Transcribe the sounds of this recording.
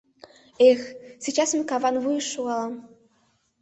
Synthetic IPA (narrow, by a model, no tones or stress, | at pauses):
exsʲit͡ɕɑsmɘkɑvɑnvujʃuɑlˠɤ